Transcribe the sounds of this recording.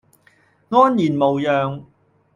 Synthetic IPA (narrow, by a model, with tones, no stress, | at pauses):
ŋɔː˥njiː˨˩nmo˨wjœː˨ŋ